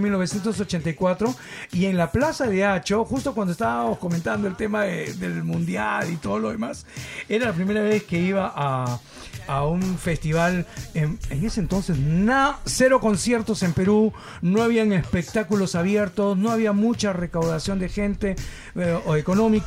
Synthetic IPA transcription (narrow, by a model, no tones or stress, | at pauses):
milno̞βesje̞nt̪os̬ot͡ʃe̞nt̪ajkwat̪ɾo̞ie̞ŋlaplasaðe̞at͡ʃo̞xust̪o̞kwand̪oest̪aβamosko̞mẽnt̪and̪oe̞lt̪e̞maðeðelmũnd̪jalit̪o̞ðoloðemase̞ɾalap̬ɾime̞ɾaβe̞ske̞iβaʔa | aunfe̞st̪iβaleneŋe̞sent̪o̞nse̞snase̞ɾo̞ko̞nsje̞ɾt̪o̞se̞mpe̞ɾu | no̞aβ̞iaŋespe̞k̚t̪akulo̞saβje̞ɾt̪o̞sno̞aβiamut͡ʃare̞kawðasjo̞nd̪e̞xe̞nt̪e | oeko̞no̞mik